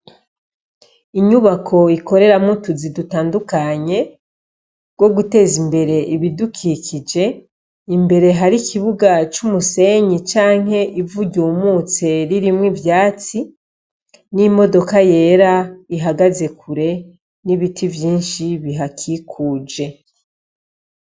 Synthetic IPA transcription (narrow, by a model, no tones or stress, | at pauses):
iɲuβakʰo̞iko̞ɾe̞ɾamutuzidutaːndukaɲe̞ | ɡ̥wo̞ɡute̞ːzimbe̞ɾe̞ʔiβidukʰikid͡ʒe̞ | imbe̞ɾe̞ɦaɾikʰiβuɡat͡ʃumuse̞ɲit͡ʃaːŋ̥e̞ʔivuɟuːmut͡se̞ɾiɾimwivjaːt͡si | nimo̞do̞kaje̞ːɾaiɦaɡaze̞kʰuɾe̞ | niβitʰivjiːnʃiβiɦakʰikʰuːd͡ʒe̞